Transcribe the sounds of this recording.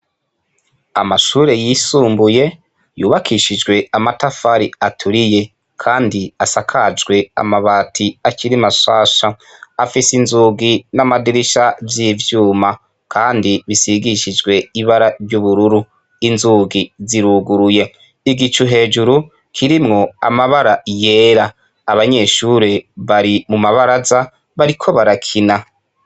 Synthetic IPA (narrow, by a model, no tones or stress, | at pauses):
amaʃuːɾe̞jisuːmbuje̞ | juːβakʰiʃid͡ʒɡwe̞amatafaɾiatʰuɾije̞ | kʰaːndiasakʰad͡ʒɡwe̞a̰maβaːtʰiaciɾimaʃaːʃa | afisinzuɡinamadiɾiʃavjiːvjuːma | kʰaːndiβisiɡiʃid͡ʒɡwe̞iβaɾaɾɟuβuɾuɾu | inzuɡiziɾuɡuɾuje̞ | iɡit͡ʃuɦe̞ːd͡ʒuɾu | kʰiɾimŋo̞a̰maβaɾaje̞ɾaː | βaɲe̞ʃuːɾeβaɾimumaβaɾaza | βaɾikʰo̞βaɾakʰina